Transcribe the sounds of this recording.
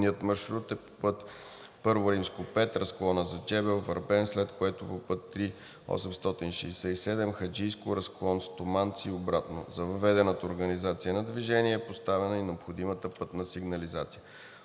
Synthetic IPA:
niət̪mɐɾʃɾut̪ɛpo̥pɤt̪ | pɤɾvʊɾimskopɛt̪ɾɐsklˠɔnəzɐd͡ʒɛbɛlˠvɐɾbɛnslɛt̪koɛt̪ʊpopɤt̪ːɾi | ɔ̰sɛmst̪ɔt̪inʃɛ̰isɛisɛd̪ɛmxɐd͡ʒijskʊɾɐsklˠɔnst̪omant̪siobɾat̪no̰zɐvɐvɛd̪ɛnət̪əoɾɡənizat̪sijənɐd̪viʒɛniɛːpost̪avɛnəinɛopxod̪imət̪əpɤt̪nəsiɡnɐlizat̪sijə

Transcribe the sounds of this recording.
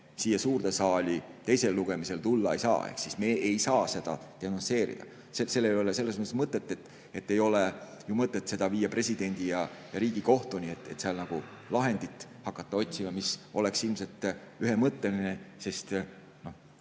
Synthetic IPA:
siːjːɑsuːɾrt̪esɑːlʲit̪e̞jse̞lːuɡ̥e̞mise̞lt̪ulːɑe̞jsɑ̰ːḛhksisme̞ejsɑːse̞d̪̥ɑ̰t̪eɑnonse̞ːɾḭd̪̥ɑ̰ | sese̞lːejolese̞lːesmɤt̪ːˑsmɤt̪ːˑet̪ːˑet̪ː | e̞t̪ːe̞jo̞le | jumɤt̪ːˑet̪ːˑse̞d̪̥ɑviːjːɑpre̞sʲid̪e̞nʲd̪̥ijɑjɑɾiːɡ̥iko̞ht̪onʲiet̪ːˑe̞̰t̪ːseɑlnɑɡ̥u | lɑɦe̞nd̪̥it̪ːˑhɑkːˑɑt̪ˑːɑo̞t̪ʲsimɑmiso̞le̞ksilmse̞lt̪ˑ | yɦemɤt̪ːe̞linese̞st̪ | no̞h

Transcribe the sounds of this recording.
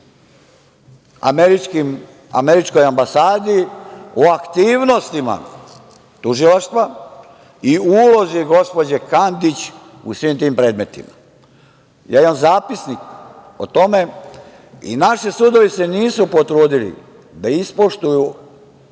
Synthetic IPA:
a̰meɾit͡ʃkim | a̰meɾit͡ʃko̞jambasaːd̪ioakt̪iːʋno̞st̪ima̰ | t̪uʒilaʃt̪ʋa | iulo̞ziɡo̞spo̞d͡ʑekand̪it͡ɕ | ṵsʋimt̪iːmpɾe̞ːd̪me̞t̪ḭma | ja̰ːimamzaːpisnik | o̰t̪o̞me | ḭnaʃisud̪o̞ʋise̞niːsupot̪ɾuːd̪ilḭ | d̪aispoʃt̪uju

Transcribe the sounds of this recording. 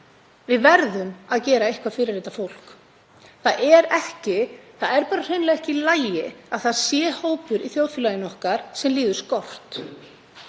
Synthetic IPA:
vɪðvɛɾðʏmaðcɛːɾaejhkvafɪɾɪɾːɪːt̪afowl̥k | θaðɛɾɛhcɪθaðɛɾpaːɾar̥eɥnlɛɣɛhcɪlaːjɪaðθaðsjɛːhoːwpʏɾiθjoːwðfʏlajɪnɔhkaɾ̥sɛmliːðʏskɔr̥t̪

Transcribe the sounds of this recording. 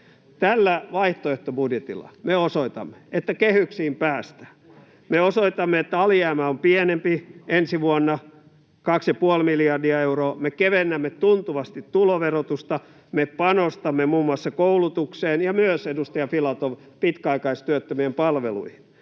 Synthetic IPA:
t̪ælːæʋɑiht̪oeht̪obudjet̪ḭlːˑɑ̰meosoit̪ɑ̰mːe̥et̪ːækehyksiːmpæːst̪æ̥ː | meosoit̪ɑmːeet̪ːæɑljæːmæompienempiensiʋuonːɑ | kɑksjɑpuolmiljɑrdiɑeuroːmekeʋenːæmːet̪unt̪uʋɑst̪it̪tuloʋerot̪ust̪ɑ | mepɑnost̪ɑmːemuːmːuɑsːɑkoulut̪ukseːnjɑmyøsedust̪ɑjɑfilɑt̪oʋ | pit̪kæɑikɑist̪yøt̪ːømiempɑlʋelṵihin

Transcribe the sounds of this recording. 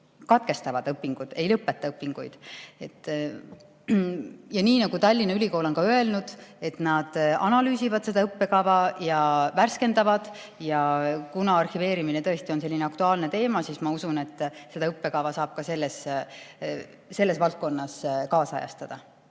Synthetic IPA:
kɑt̪̚ke̞st̪ɑvɑd̪̥ɤpːiŋɡ̥ud̪̥e̞jlɤpːˑe̞t̪ːˑɑɤpːˑiŋɡ̥ujd̪̥e̞t̪ːˑ | jɑniːnɑɡ̥ut̪ɑlʲːinɑylʲiko̞ːlo̞nkɑø̞e̞lnud̪̥e̞t̪nɑd̪̥ɑ̰nɑlyːsivɑd̪̥se̞d̪ɑɤpːe̞kɑvɑjɑværske̞nd̪ɑvɑd̪̥ | jɑkunɑɑrhive̞ːɾimine̞t̪ɤ̞e̞st̪io̞nse̞lʲːineɑkt̪uɑːlne̞t̪e̞ːmɑsiːsmɑusune̞t̪ːˑse̞d̪̥ɑɤpːe̞kɑvɑsɑːb̥̚kɑse̞lːes | se̞lːe̞svɑlt̪̚ko̞nːɑskɑːsɑ̰jɑ̰st̪ɑd̪̥ɑ

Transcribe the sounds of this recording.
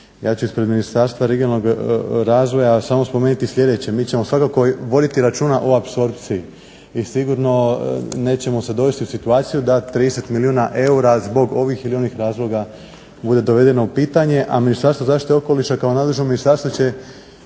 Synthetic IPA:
jaːt͡ɕuispɾe̞d̪minist̪aɾst̪ʋaɾeɡiolno̞ɡɾaːzʋo̞jasaːmo̞spome̞ːnit̪islʎʲe̞d̪e̞t͡ɕe̞miːt͡ɕe̞mosʋakako̞ʋo̞d̪it̪iɾat͡ʃuːnaʔoapso̞ɾpt̪sii | isiɡuɾno̞ne̞ːt͡ɕe̞mo̞se̞d̪o̞ʋest̪iusit̪uaːt̪sijud̪at̪ɾid̪eset̪miliuːnaʔe̞uɾazbo̞ɡo̞ʋixilio̞nixɾaːzlˠo̞ɡa | bud̪e̞d̪o̞ʋe̞d̪e̞no̞upiːt̪aɲe̞ʔaminist̪aɾst̪ʋo̞zaːʃt̪it̪eoko̞liʃakaonad̪leʒnominist̪aɾst̪ʋot͡ɕe̞

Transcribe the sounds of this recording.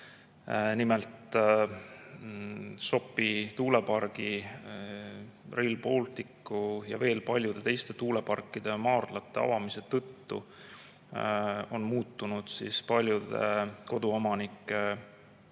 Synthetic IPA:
nimelt̪ | so̞pːˑit̪uːle̞pɑrɡ̥i | rilpo̞ːlt̪ikːujɑ̰ve̞ːlpɑlʲjud̪̥e̞t̪e̞jst̪e̞t̪uːle̞pɑrkːˑid̪̥e̞mɑːrd̪̥lɑt̪ːˑe̞ɑ̰vɑmise̞t̪ɤt̪ːṵ | o̞nmuːt̪ːunud̪̥sḭspɑlʲjud̪e̞̰ko̞d̪uo̞mɑnikːˑe̞

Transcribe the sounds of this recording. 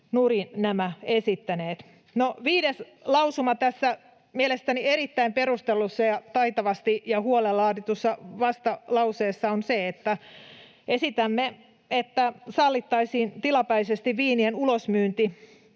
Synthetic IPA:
nurinæmæesit̪ːæneːt̪ | noʋiːdes | lɑusumɑt̪æsːæ | mielest̪ænieɾit̪ːæimpeɾust̪elːusːɑjɑt̪ɑit̪ɑʋɑst̪ijɑhuolelːɑːt̪it̪usːɑʋɑst̪ɑlɑuseːsːɑonseet̪ːæ | esit̪æmːe | et̪ːæsɑlːit̪ːɑisiːnt̪ilɑpæisest̪iʋʋiːnienulosmyːnt̪i

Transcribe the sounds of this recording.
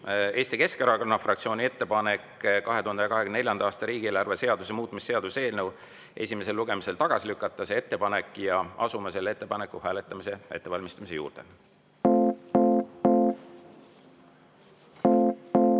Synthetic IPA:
e̞ːst̪ike̞skeɾɑkonːɑfrɑkt̪sio̞ːnʲie̞t̪ːe̞pɑne̞kkɑɦe̞t̪uhɑnd̪eɑkɑɦekynneljɑnd̪ɑɑːst̪ɑɾiːɡ̥ieːlɑrvese̞ɑd̪̥usemuːt̪̚ːˑmisːe̞ɑd̪̥use̞ːlnew | ʔe̞̰sʲime̞se̞lːuɡe̞mise̞lt̪ɑɡ̥ɑsilykːˑɑt̪ːˑɑsee̞t̪ːe̞pɑne̞kːˑjɑɑ̰sumese̞lːee̞t̪ːe̞pɑne̞kːˑuhæːle̞t̪ˑːɑmise̞e̞t̪ːe̞vɑlʲmist̪ɑmisejṵːrd̪̥e

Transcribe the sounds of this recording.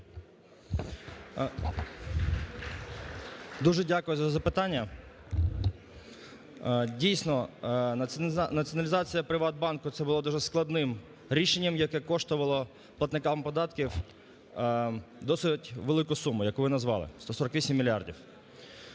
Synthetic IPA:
d̪uʒɛdʲakʊjʊzɐzɐpɪt̪ɑnʲːɐ | dʲijsnɔ | nɐt͡sʲiɔnɐlʲɪzɑt͡sʲijɐpɾɪʋɑt̪̚bɑnkʊt̪sɛbʊlˠad̪uʒɛsklˠɐd̪nɪm | ɾʲiʃenʲːɐmjɐkɛkɔʃt̪ʊʋɐlˠɔ | plˠɐt̪nɪkɑmpɔd̪ɑt̪kʲiw | d̪ɔsɪtʲʋelˠɪkʊsumʊjɐkʊʋɪnɐzʋɑ̰lˠɪ̰st̪ɔsɔɾɐkʋʲisʲimːʲilʲardʲiw

